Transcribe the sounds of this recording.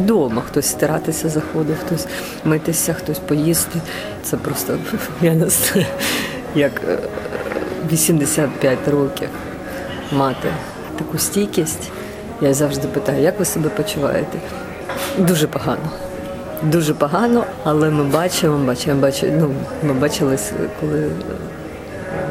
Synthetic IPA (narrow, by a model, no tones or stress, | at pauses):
d̪ɔmɐxt̪ɔsʲst̪ɐɾɑt̪ɪsʲɐzɐxɔd̪ʊxt̪ɔsʲ | mɪt̪ɪsʲɐxt̪ɔsʲpɔjist̪ɪ | t̪sɛpɾɔst̪ɔ | mʲjanɐs | jɐk | ʋʲisʲimd̪esʲat̪̚pʲjatʲrɔkʲḭw | mɑt̪ɪ | t̪ɐkusʲtʲijkʲisʲtʲ | jazɑwʒd̪ɪpɪt̪ɑjʊjɐkʋɪsɔbɛpɔt͡ʃʊʋɑ̰jet̪ɛ | d̪uʒɛpɔɦɑnɔ | d̪uʒɛpɔɦɑnɔ | ɐlˠɛmɪbɑt͡ʃɪmɔbɑt͡ʃɪmbɑt͡ʃɪ̰numɪbɑt͡ʃɪlˠɪsʲkɔlˠɪ